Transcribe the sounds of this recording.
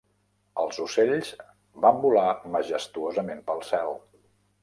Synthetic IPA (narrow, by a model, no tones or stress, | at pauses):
əlˠzuseʎz̥ | bambulaməʒəst̪uozəmempəlˠsɛlˠ